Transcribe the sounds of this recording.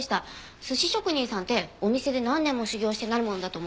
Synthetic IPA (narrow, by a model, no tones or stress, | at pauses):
ɕi̥t̪a | sɨɕiɕo̞kɯ̟ɲ̟ĩɰ̃sãnt̪e̞o̞mʲise̞d̪e̞nãnːẽ̞mːo̞ɕɨɡʲo̞ːɕi̥t̪e̞naɾɯ̟mo̞no̞d̪at̪om